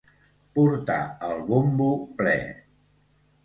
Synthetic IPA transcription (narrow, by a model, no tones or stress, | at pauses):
puɾt̪a̰əlˠβumbuplɛ̰